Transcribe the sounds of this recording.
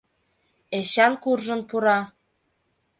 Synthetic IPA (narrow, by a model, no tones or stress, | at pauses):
eɕɑnkurʒə̆npuɾɑ